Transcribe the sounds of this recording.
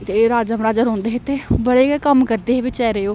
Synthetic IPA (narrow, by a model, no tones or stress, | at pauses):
t̪eɾaːd͡ʒəmɾaːd͡ʒəɾɦõːnd̪eːɦeːt̪eːbəɽeːkəmkəɾd̪eːɦeːʋɪt͡ʃɛːɾeːoː